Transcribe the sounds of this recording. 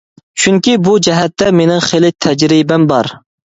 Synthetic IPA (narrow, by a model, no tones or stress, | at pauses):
t͡ʃʰyŋkʲibud͡ʒɛɦɛt̪ːɛmenɪŋχelɪt̪ʰɛd͡ʒɾibɛmbɑɾ